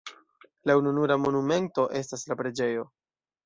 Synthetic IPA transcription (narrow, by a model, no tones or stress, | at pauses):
laununuɾamo̞nume̞nto̞ʔe̞s̬taslapɾe̞d͡ʒe̞jo̞